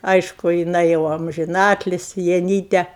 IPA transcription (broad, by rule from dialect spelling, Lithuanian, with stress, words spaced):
ˈɐɪʃkʊ jɪˈnɐɪ jɛʊ ɐmʲʒʲɪˈnɑːtʲlʲɪsʲɪ jɛˈnʲiːtʲɛ